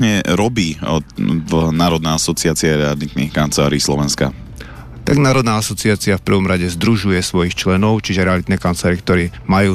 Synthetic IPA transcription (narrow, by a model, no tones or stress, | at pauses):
ɲɛɾɔbiː | vnaːɾɔd̪nɛasɔt͡siaːt͡siɛɾɛalit̪nḭːxkant͡sɛla̰ːɾiːslɔʋɛnska̰ | t̪aɡnaːɾɔd̪naːasɔt͡siaːt͡siafpr̩ʋɔmɾaɟɛzd̪ɾuʒujɛsʋɔjixt͡ʃlɛnɔʊt͡ʃiʒɛɾɛalit̪nɛkant͡slaːɾikt̪ɔɾiːmajuː